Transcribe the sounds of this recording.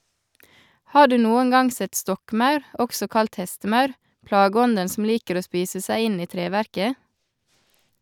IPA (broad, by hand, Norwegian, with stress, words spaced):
ˈhɑː ˈɖʉː ˈnuːəŋ ˈɡɑŋ ˈsɛt ˈstɔkˌmɑʉɾ ˈɔksɔ ˈkɑlt ˈhɛstəˌmɑʉɾ ˈplɑːˌɡɔndən sm̩ ˈliːkəɾ ˈoː ˈspiːsə ˈsæɪ ˈɪn ˈiː ˈtɾeːˌʋæɾkə